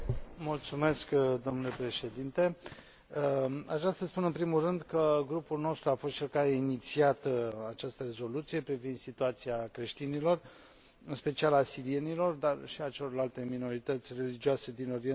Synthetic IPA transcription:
mult̪sume̞skd̪o̞mnule̞pɾe̞ʃe̞d̪int̪e̞ | a̰t͡ʃast̪əspunɨnpɾimulrɨnd̪kəɡɾupulno̞st̪ɾuafost̪t͡ʃelkainit̪siat̪at͡ʃast̪əɾe̞zo̞lut̪sije̞pɾivind̪sit̪uat̪siakɾe̞ʃt̪inilo̞r | ɨnspe̞t͡ʃialasiɾie̞nilo̞rd̪arʃiat͡ʃe̞lo̞rlalt̪e̞mino̞ɾit̪ət̪sʲre̞lid͡ʒiuase̞d̪ino̞ɾiena

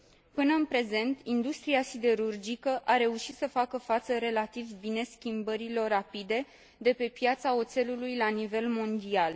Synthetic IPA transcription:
pɨnəɨnpɾe̞ze̞nt̪ind̪ust̪ɾiasid̪e̞ɾurd͡ʒikəʔaɾe̞uʃit̪səfakəfat̪səɾe̞lat̪ivbine̞skʲimbəɾilo̞rapid̪e̞ | d̪e̞pe̞pjat̪sao̞t̪se̞lulujlanive̞lmo̞nd̪ial

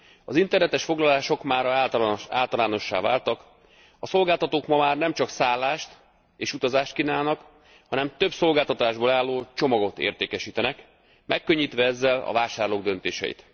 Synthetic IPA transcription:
ɒzint̪ɛrnɛt̪ɛʃfo̞ɡlɒlaːʃo̞kmaːɾaːlt̪ɒlaːno̞ʃːa̰ːva̰ːlt̪ɒk | ɒso̞lɡaːlt̪ɒt̪oːkmɒmaːrnɛmt͡ʃɒksaːlːaːʃt̪ | eːʃut̪ɒzaːʃt̪̚kinaːlnɒk | hɒnɛmt̪ø̞bso̞lɡaːlt̪ɒt̪aːʒboːlaːlːoːt͡ʃo̞mɒɡo̞t̪ḛːrt̪eːkɛʃiːt̪ɛnɛk | mʔɛkːø̞ɲːit̪ʋɛɛzːɛlɒ̰vaːʃaːrloːɡ̚d̪ø̞nt̪eːʃɛ̰jḭt̪

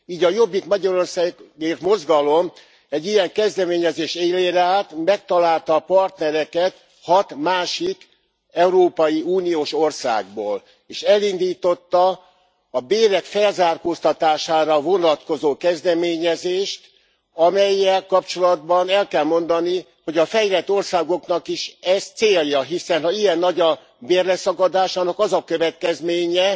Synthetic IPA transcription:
iːɟɒjo̞bːikmɒɟɒɾo̞rsaːɡɡeːrt̪mo̞zɡɒlo̞m | ɛɟːijɛŋkɛzd̪ɛmeːɲɛzeːʃt̪eːleːɾɛaːt̪mɛk̚t̪ɒlaːlt̪ɒːpɒrt̪nɛɾɛkɛt̪ | hɒt̪maːʃik | ɛuɾoːpɒjiuːnijoːʃo̞rsa̰ːɡboːl | eːʃɛlind̪iːt̪o̞t̪ːɒː | beːɾɛkfɛlzaːrkoːst̪ɒt̪aːʃaːɾɒvo̞nɒt̪ko̞zoːkɛzd̪ɛmeːɲɛzeːʃt̪ | ɒmɛjːɛlkɒpt͡ʃo̞lɒd̪̚bɒnɛlkɛlmo̞nd̪ɒni | ho̞ɟɒfɛjlɛt̪ːo̞rsaːɡo̞kn̪ɒkiʃɛzt̪seːljɒɦisɛnɦɒijɛnːɒɟɒ | beːrlɛsɒkɒd̪aːʃaːnɒkɒzɒkøvɛt̪̚kɛzmeːɲɛ

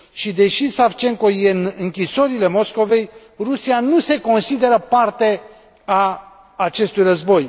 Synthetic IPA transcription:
ʃid̪e̞ʃisaft͡ʃe̞mko̞je̞nɨŋkʲisoɾile̞mo̞sko̞ve̞j | rusianuse̞ko̞nsid̪e̞ɾəpart̪e̞ | aː | t͡ʃe̞st̪ujrəzbo̞j

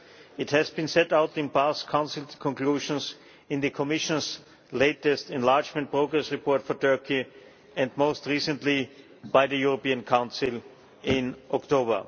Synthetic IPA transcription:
ɪthɨzbɨ̃nsɛtaʊtɪ̃npaskʰãʊ̃nsɪlˠkʰɔ̃nkl̥uːʒə̃ns | ɪ̃nðɨkʰɔmɪʃə̃ns | leɪtɛstɛ̃nlaɹd͡ʒmɛ̃nt̚pɹoʊɡɹɛsɹipʰɔɹtfɔ˞tʰɜ˞ki | ɛ̃ndmoʊstɹisə̃ntli | baɪðɨjʊɹopiə̃nkʰãʊ̃nsɪlˠ | ɪ̃nʔɔktoʊbə̰˞

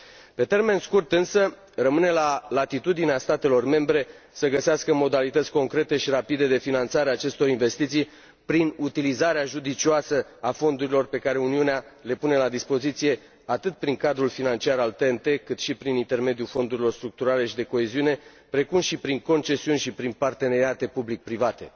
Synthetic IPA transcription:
pe̞t̪e̞rme̞nskurt̪ɨnsə | rəmɨne̞lalat̪it̪ud̪ineast̪at̪e̞lo̞rme̞mbɾe̞ | səɡəseaskəmo̞d̪alit̪ət̪sʲko̞ŋkɾe̞t̪e̞ʃiɾapid̪e̞d̪e̞finant̪saɾeaːt͡ʃe̞st̪o̞ɾinve̞st̪it̪sij | pɾinut̪ilizaɾeaʒud̪it͡ʃioasəafo̞nd̪uɾilo̞rpe̞kaɾe̞uniuneale̞pune̞lad̪ispo̞zit̪sije̞ | at̪ɨt̪̚pɾiŋkad̪ɾulfinant͡ʃiaɾalt̪ent̪e̞kɨt̪ʃipɾinint̪e̞rme̞d̪ijufo̞nd̪uɾilo̞rst̪ɾuk̚t̪uɾale̞ʃid̪e̞ko̞eziune̞ | pɾe̞kumʃipɾiŋko̞nt͡ʃe̞siunʲʃipɾinpart̪e̞ne̞ɾiat̪e̞publik̚pɾivat̪e̞̰

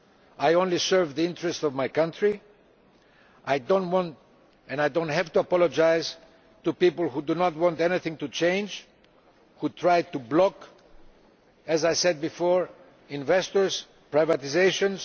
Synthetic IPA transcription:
ajõnlisɜ˞vðiɪ̃ntɹɛstɔvmajkʌ̃ntɹi | ʔajdõntwɔ̃nt | ɛ̃najdõntɦɛvt̪uɐpɔlod͡ʒajz | t̪upipəlˠhudunɔt̚wɔ̃ntɛniθɪ̃ŋtut͡ʃẽɪ̃nd͡ʒ | hut̪ʰɹajd̚t̪ublɔk | ɛzajsɛd̪̚bifoɹ | ĩnvɛstɔɹz̥ | pɹajvat̪izeɪʃõnz

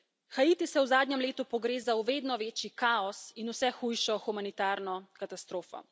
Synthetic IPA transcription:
xait̪isɛwzaːd̪nʲjɛmleːt̪upɔɡɾeːzawʋeːd̪nɔʋeːt͡ʃikaɔsinusɛxujʃɔxumanit̪aːɾnɔkat̪ast̪ɾoːfɔ̰

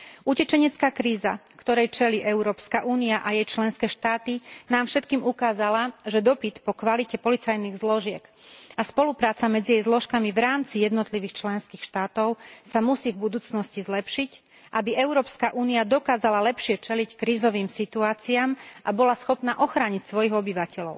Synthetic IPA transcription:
ʔucɛt͡ʃɛɲɛt͡skaːkɾiːza̰kt̪ɔɾɛjt͡ʃɛliːʔɛʊɾɔːpskaʔuːniaʔajɛjt͡ʃlɛnskɛːʃt̪aːt̪inaːmfʃɛt̪kiːmukaːzalaʒɛd̪ɔpit̪pɔkʋalicɛpɔlit͡sajniːɣzlɔʒɪɛkaspɔlupɾaːt͡samɛd͡zijɛjzlɔʃkamiʋɾaːmt͡sijɛd̪nɔt̪liʋiːxt͡ʃlɛnskiːxʃt̪aːt̪ɔʊsamusiːvbud̪uːt͡snɔscizlɛpʃic | ʔabiʔɛʊɾɔːpskaʔuːniad̪ɔkaːzalalɛpʃɪɛt͡ʃɛlickɾiːzɔʋiːmsit̪uaːt͡siaːmʔabɔlasxɔpnaʔɔxɾaːɲicsʋɔjiɣɔbiʋacɛlɔʊ

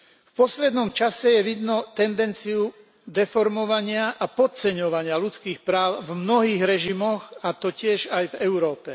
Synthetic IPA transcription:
fpɔslɛd̪nɔmt͡ʃasɛjɛʋid̪nɔt̪ɛnd̪ɛnt͡siju | d̪ɛfɔɾmɔʋaɲɪaʔapɔt̪t͡sɛɲɔʋaɲɪalut͡skiːxpɾaːʊvmnɔɦiːɣɾɛʒimɔɣat̪ɔcɪɛʒajvɛʊɾɔːpɛ

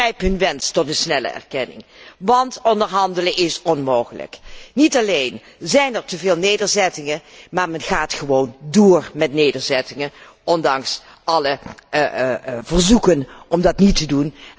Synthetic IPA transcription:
rɛjpɦɵnʋɛnstɔtənsnɛlə̰ʔɛ̰ɹkɛnɪ̰ŋʋɑntɔndəɹɦɑndələnʔɪsɔnmowχələ̰knitɑlejn | zɛjnɛɹtəvɪːlˠnejdəɹzɛtɪŋənmaːɹmɛnχaːtχəʋowndoːrmɛtnejdəɹzɛtɪŋən | ɔndɑŋs | ʔɑlə | vərzukənɔmdɑtnitədun

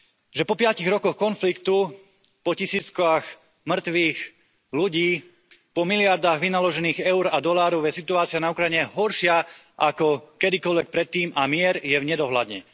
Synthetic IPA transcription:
ʒɛpɔpɪaciɣɾɔkɔxkɔnflikt̪u | pɔcisiːt͡skax | mr̩t̪ʋiːx | luɟiː | pɔmilɪaɾd̪aːɣʋinalɔʒɛniːɣɛʊɾad̪ɔlaːɾɔʊjɛsit̪uaːt͡sɪanaukɾajɲɛɦɔɾʃɪa | ʔakɔkɛd̪ikɔlʋɛk̚pɾɛt̪ːiːmamɪɛɾjɛvɲɛd̪ɔɦla̰d̪ɲɛ̰

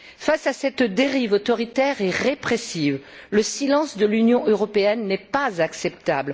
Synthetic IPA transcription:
fasasɛt̪d̪eʁivot̪ɔʁit̪ɛʁɛʁepχesivləsilɑ̃sd̪əlynjɔ̃øʁɔpeɛnːɛpazaksɛp̚t̪a̰bl

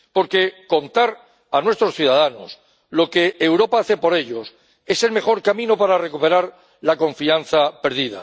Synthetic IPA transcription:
po̞ɾke̞ko̞nt̪aɾ | anwe̞st̪ɾo̞sθjuðaðano̞̰s | lo̞ke̞ːwɾo̞paaθe̞po̞ɾe̞ʎo̞s | e̞se̞lme̞χo̞ɾkamĩno̞paɾarekupe̞ɾaɾ | lako̞ɱfian̟θape̞ɾðiða̰

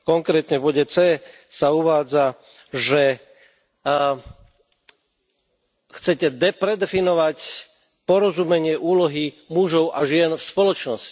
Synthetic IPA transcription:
kɔŋkɾɛːt̪ɲɛvbɔɟɛt͡sɛː | sauʋaːd͡za | ʒɛ | xt͡sɛcɛd̪ɛpɾɛd̪ɛfinɔʋac | pɔɾɔzumɛɲɪɛʔuːlɔɦi | muʒɔʊʔaʒɪɛnfspɔlɔt͡ʃnɔsci̥

